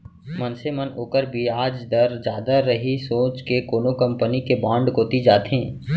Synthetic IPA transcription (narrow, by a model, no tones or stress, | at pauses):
mɐnsemɐnoːkəɾbʱiaːd͡ʒd̪ɐɾd͡ʒjaːd̪aːɐɦisoːt͡ʃkekoːnokɐ̃mpənikebãːɳɖkoːt̪id͡ʒaːt̪ẽː